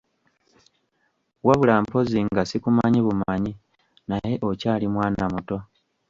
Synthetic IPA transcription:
waβulaːmpo̞ziŋɡasikumaɲiβumaɲi | naje̞ʔo̞caːlimwaːnamuto̞

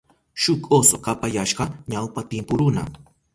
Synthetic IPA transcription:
ʃʊkosokapajaʃɢɑɲawpat̪ɪmpʊɾʊna̰

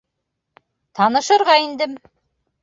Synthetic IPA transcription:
t̪ʰɑnɤ̆ʃɤ̆ɾʁɑind̪ɘm

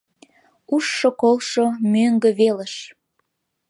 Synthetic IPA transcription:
uʃːokolˠʃomøŋɡə̆βeləʃ

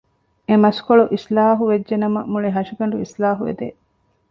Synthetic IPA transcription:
emɐskoɭuʔislaːɦuʋed͡ʒʒenɐmɐmuɭiɦɐʃiɡɐɳɖuislaːɦuʋḛd̪ḛ

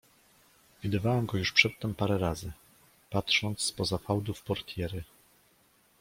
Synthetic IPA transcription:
vʲid̪ɘvawɛmɡɔjuʂpʂɛt̪ːɛmpaɾɛɾazɘ | patʂɔnt̪sspɔzafawd̪ufpɔɾt̪ʲjɛɾɘ

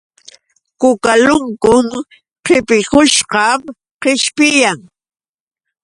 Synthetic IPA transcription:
kʊkalʊŋkʊŋ | qɪpɪkʊʃqɑm | qɪʃpɪjaŋ

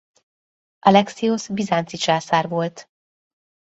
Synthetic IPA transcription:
ʔɒlɛksiosbizaːnt̪sit͡ʃaːsaːrvo̞lt̪

